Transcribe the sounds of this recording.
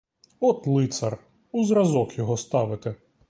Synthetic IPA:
ɔt̪lˠɪt̪sɐr | uzrɐzɔkjɔɦɔst̪ɑʋɪt̪e

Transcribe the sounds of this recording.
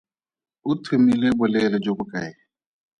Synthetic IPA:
ʊtʰemilɛbʊlɛlɛd͡ʒokʊkʼaɛ

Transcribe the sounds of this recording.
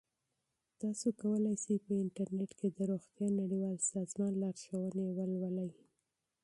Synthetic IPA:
t̪ɑsokawəlajsijpəɪɳʈaɾneʈked̪əɾoxt̪jɑnaɽiwɑlsɑzmɑnlɑɾʃawənewəlwəlaj

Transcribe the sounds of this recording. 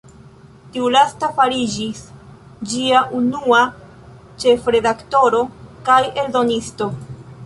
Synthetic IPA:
tiulastafaɾid͡ʒis | d͡ʒiaʔunua | t͡ʃe̞fɾe̞dakto̞ɾo̞kaje̞ldo̞nisto̞

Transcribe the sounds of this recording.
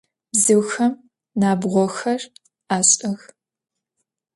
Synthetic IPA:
bzɨwxɐm | naːbʁʷɔxɐr | aːɕʼɐx

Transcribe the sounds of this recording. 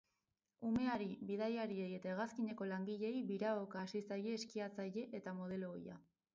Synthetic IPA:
ume̞aɾiβiðajaɾieje̞t̪ae̞ɣaskiɲe̞ko̞laŋɡiʎe̞jβiɾaokaːsisaje̞ːskiat͡saje̞ʔet̪amo̞ð̞e̞lo̞̰ja̰

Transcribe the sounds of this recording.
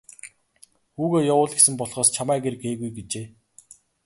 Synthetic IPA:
xuːɣoːjawʊːɮɡesɘ̆mpɔɮχɔːst͡ɕʰamæːɡeɾɘ̆keːɣujɡet͡ɕeː

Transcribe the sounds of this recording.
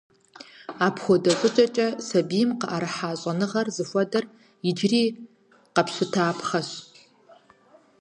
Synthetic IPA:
aːpʰxʷɔdɐɕʼɨt͡ʃʼɐt͡ʃʼɐsɐbiːmqəʔɐɾɨħaːɕʷʼɐnɨʁɐrzɨfʷɔdɐr | ɪd͡ʒriː | qɐpɕʷɪtʰaːpʰχɐɕ

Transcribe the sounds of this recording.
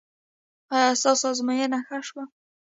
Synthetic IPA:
ɑjɑsɑsɑzmɑjənaxaʃwa

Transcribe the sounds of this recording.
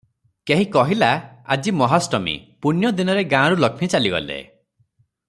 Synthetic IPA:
keɦĩkɔɦilaa̰d͡ʒimɔɦasʈɔmḭpunjɔd̪inɔɾeɡãɾulɔkʰmit͡ʃaliɡɔ̰lḛ

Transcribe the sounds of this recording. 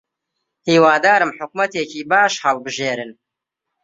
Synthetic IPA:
hiːwaːd̪aːɾɨmħʊkmɐt̪eːciːbaːʃhɐlˠbɨʒeːɾɨn

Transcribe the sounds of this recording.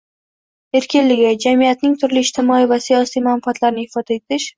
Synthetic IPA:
e̞ɾkʲɪnlɪɡʲɪd͡ʒamijat̪̚nɪŋt̪ʰʊɾlɪːʃt̪ʰɪmɒivasijɒsijmanfaat̪laɾnɪhɪfɒd̪̥ae̞t̪ʰɪʃ

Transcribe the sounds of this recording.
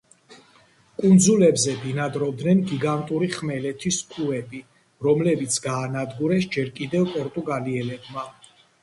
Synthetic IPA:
kʼund̪zulɛbzɛd̪inad̪ɾɔb̚d̪nɛnɡiɡant̪ʼuɾiχmɛlɛt̪ʰiskʰuɛbi | ɾɔmlɛbit̪sʰɡaːnad̪ɡuɾɛsd͡ʒɛɾkʼid̪ɛvpʼɔɾt̪ʼuɡaliɛlɛbma

